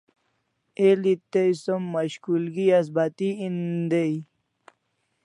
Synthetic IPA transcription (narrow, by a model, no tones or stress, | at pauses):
elit̪ejsomːaɕkulɡias̬bat̪iind̪ej